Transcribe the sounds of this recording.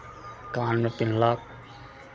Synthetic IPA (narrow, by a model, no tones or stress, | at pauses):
kaːnmepɪnlaːk